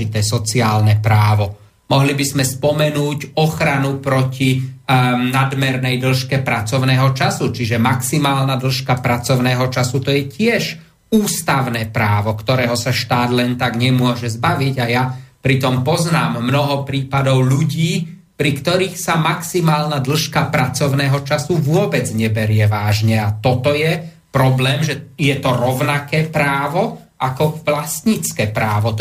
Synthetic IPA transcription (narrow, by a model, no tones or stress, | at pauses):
it̪ɛːsɔt͡siaːlnɛpɾaːʋɔ | mɔɦlibizmɛspɔmɛnuːcɔxɾanupɾɔci | nad̪mɛɾnɛjd̪l̩ʃkɛpɾat͡sɔʊnɛːɦɔt͡ʃasut͡ʃiʒɛmaksimaːlnad̪l̩ʃkapɾat͡sɔʊnɛːɦɔt͡ʃasut̪ɔjɛcɪɛʃ | uːst̪aʊnɛːpɾaːʋɔkt̪ɔɾɛːɦɔsaʃt̪aːd̪lɛnt̪aɡɲɛmʊɔʒɛzbaʋiɟajapɾit̪ɔmpɔznaːmːnɔɦɔpɾiːpad̪ɔʊʎuɟiː | pɾikt̪ɔɾiːxsamaksimaːlnad̪l̩ʃkapɾat͡sɔʊnɛːɦɔt͡ʃasuʋʊɔbɛd͡zɲɛbɛɾɪɛʋaːʒɲɛat̪ɔt̪ɔjɛ | pɾɔblɛːmʒɛjɛt̪ɔɾɔʊnakɛːpɾaːʋɔ | ʔakɔʋlast̪ɲit͡skɛːpɾaːʋɔ